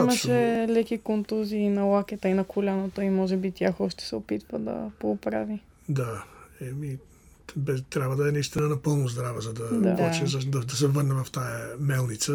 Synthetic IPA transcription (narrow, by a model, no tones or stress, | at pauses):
imɐʃɛlɛkikont̪uziːnɐwakʲɛt̪əinɐkʊlʲanot̪oimɔʒɛbit̪ʲjaxɔʃt̪ɛ̥sɛopit̪və̰d̪ɐ̰popɾa̰vi | d̪aɛmi | bɛt̪ɾʲabvəd̪ɐɛnɐist̪inənɐpɤlˠnʊzd̪ɾavəzɐd̪ɐad̪at͡ʃɛzɐd̪ɐd̪ɐsɛvəɾnɛvɐft̪ajəmɛlˠnit̪sə